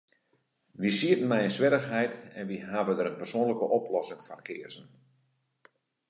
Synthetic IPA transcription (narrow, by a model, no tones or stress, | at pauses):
ʋisiətən̩mɛjənsʋɪɾəxɦɛjtɛnʋiɦaːvədəɾənpərsoːnləkəʔɔplɔsɪŋfɔnkʰɪərsən